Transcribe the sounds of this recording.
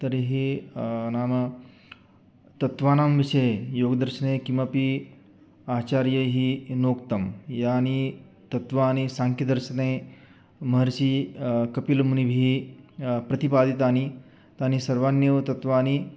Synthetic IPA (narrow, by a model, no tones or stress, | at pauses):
t̪əɾiɦi | naːmə | t̪ɐt̪ʋaːnamʋiɕəjjoɡəd̪əɾɕənekĩwʋapi | aːt͡ɕaɾjəɦinokt̪əmjani | t̪ɐt̪ʋaːnisaŋkid̪əɾɕəne | mɐɦəɾɕikɐpilmunibʱi | pɾɐt̪ipad̪it̪aːni | t̪aːnisɐɾʋanjəʋt̪ɐt̪ʋaːni